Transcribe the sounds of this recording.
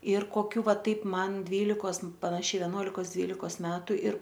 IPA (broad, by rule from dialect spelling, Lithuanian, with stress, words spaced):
ɪr koːˈkʲuː ˈʋɐ ˈtɐɪp ˈmɐn ˈdʲʋʲiːlʲɪkoːs pɐnɐˈʃʲɛɪ ʋʲɛˈnuɔlʲɪkoːs ˈdʲʋʲiːlʲɪkoːs ˈmʲæːtʊ ɪr